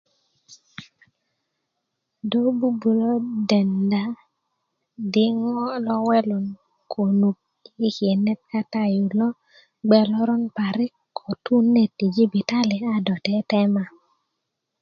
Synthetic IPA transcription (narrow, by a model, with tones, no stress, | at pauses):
do˦bu˦bu˨lo˦de˨nda˨ | dɪ˦ŋɔ˦lɔ˦wɛ˦lo˨n | kʰo˨nu˨k̚ | i˦kje˨nɛ˦t̚ka˦ta˦ju˨lɔ˦ | ɡ͡bɛ˨lɔ˦ɾɔ˦npa˨ɾɪ˦kʰ | ɔ˨tu˦ne˨ti˨d͡ʒi˦bi˨ta˦li˨a˦dɔ˨tɛ˦tɛ˦ma˦